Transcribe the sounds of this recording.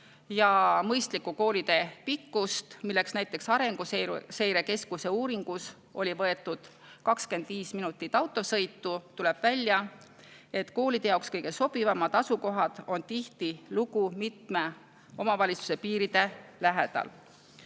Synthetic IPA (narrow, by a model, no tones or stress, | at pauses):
jɑmɤjst̪likːuko̞ːlʲid̪̥e̞pikːust̪milːe̞ksnæjt̪ːˑe̞ksɑɾe̞ŋɡ̥use̞jɾe̞ke̞skuse̞uːɾiŋɡ̥us | ʔo̞̰lʲivɤe̞t̪ːˑud̪̥ | kɑkske̞nd̪̥viːsminut̪ːˑit̪ːɑwt̪ːˑo̞sɤjt̪ːˑut̪ule̞b̥vælʲːjɑ | e̞t̪ːko̞ːlid̪̥e̞jɑwkskɤjɡ̥e̞so̞b̥ivɑmɑd̪̥ɑsuko̞ɦɑd̪̥o̞nt̪iht̪iluɡumit̪me̞ | o̞mɑvɑlʲit̪su̥se̞piːɾid̪̥e̞læɦe̞̰d̪̥ɑ̰l